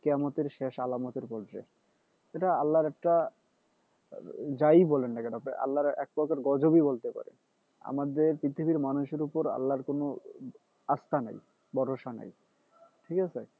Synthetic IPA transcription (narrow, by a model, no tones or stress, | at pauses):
keamot̪eɾʃeʃalamot̪eɾpɔd͡ʑɾḛ | eʈaalːaɾɛk̚ʈa | d͡ʑajbɔlenːaked̪ɔpeʔa̰lːaɾɛ̰k̚pɔkeɾɡɔd͡ʑobibolt̪epa̰ɾḛ | a̰mad̪eɾpɾit̪ʰibiɾmanuʃeɾupoɾa̰lːaɾkono | ast̪ana̰j | bɔɾoʃana̰j | ʈʰikat͡ɕʰe